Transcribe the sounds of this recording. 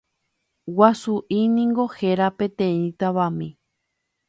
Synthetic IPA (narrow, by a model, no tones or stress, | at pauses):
wasuʔinĩŋɡo̞heɾapẽt̪ẽĩt̪aβamĩ